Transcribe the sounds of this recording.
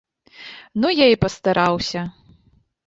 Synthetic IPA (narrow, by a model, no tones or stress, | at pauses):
nujaipɐst̪aɾʔawsʲɐ